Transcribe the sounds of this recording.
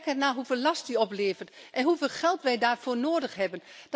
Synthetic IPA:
kɛtnaːɦufeːlˠlɑst̚diɔpleːvətʔɛnɦufeːlˠxɛlˠtʋɛjdaːɹfoːnoːdəxhɛbənd̥

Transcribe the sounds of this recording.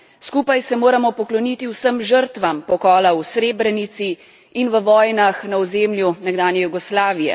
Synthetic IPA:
skuːpajsɛmoːɾamɔpɔklɔnit̪iwsəmʒəɾt̪ʋampɔkɔːlawsɾeːbɾɛnit̪si | inʋəʋɔːjnaxnaɔzeːmlʲjunɛɡd̪aːnjɛjuɡɔslaːʋijɛ̰

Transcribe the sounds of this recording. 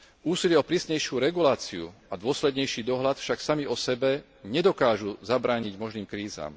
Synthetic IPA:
ʔuːsilɪɛɔpɾiːsɲɛjʃɪuɾɛɡulaːt͡siṵad̪ʊɔslɛd̪ɲɛjʃiːd̪ɔɦlat̪fʃaksamiɔsɛbɛ | ɲɛd̪ɔkaːʒuzabɾaːɲiɟmɔʒniːmkɾiːza̰ːm

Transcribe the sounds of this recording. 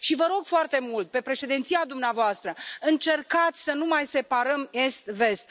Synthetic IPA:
ʃivəɾo̞ɡfoart̪e̞mult̪̚pe̞pɾe̞ʃe̞d̪ent̪siad̪umneavoast̪ɾəɨnt͡ʃe̞rkat̪sʲsənumajse̞paɾəme̞st̪ve̞st̪̚

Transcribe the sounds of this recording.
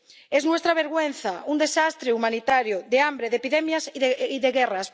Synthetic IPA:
eznwest̪ɾaβ̞eɾɣwenθaund̪esast̪ɾeumanit̪aɾjoðeambɾeðepiðɛmjasðiðeɣɛras

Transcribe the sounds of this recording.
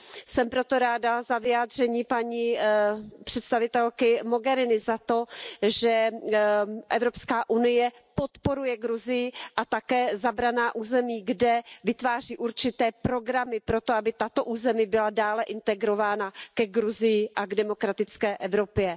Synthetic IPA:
sɛmpɾo̞t̪o̞ɾaːdazavɪaːd̪r̝̥ɛɲiːpaɲi | pr̝̥ɛt̪st̪avɪt̪ɛlkɪmo̞ɡɛɾɪnɪzat̪o̞ʒɛ | ʔɛvɾo̞pskaːʔunɪjɛ | po̞t̪po̞ɾujɛɡɾuzɪjɪʔat̪akɛːzabɾanaːʔuːzɛmiːɡdɛvɪt̪vaːr̝iːʔuɾt͡ʃɪt̪ɛːpɾo̞ɡɾamɪpɾo̞t̪oabɪt̪at̪o̞ʔuːzɛmibɪladaːlɛʔɪnt̪ɛɡɾo̞vaːnakɛɡɾuzɪjɪʔaɡdɛmo̞kɾat̪ɪt͡skɛːʔɛvɾo̞pjɛ

